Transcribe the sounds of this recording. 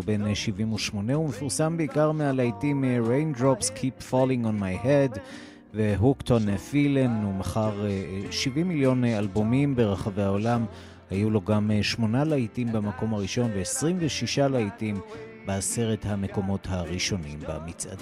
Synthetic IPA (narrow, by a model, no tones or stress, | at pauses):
be̞nʃivimuʃmo̞ne̞umefuʁsambeikaʁmealajtimʁejndʁopskʰipfɔlĩŋonmajhed | veɦukt̪onefilenumaχaʁeʃivimːiljo̞nalbomimbe̞ʁaχaveao̞lam | hajuloɡamʃmo̞nalaitimbamako̞mhaʁiʃo̞nveesʁimveʃiʃalaitim | bease̞ʁe̞thame̞ko̞mo̞thaʁiʃo̞nimba̰mit͡sʔa̰d